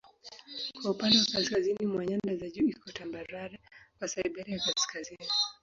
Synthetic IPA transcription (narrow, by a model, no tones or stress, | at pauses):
kwaupandawakaskazinimwaɲandazaʄuikɔtambaɾaɾakwasaiɓaɾiakaskazini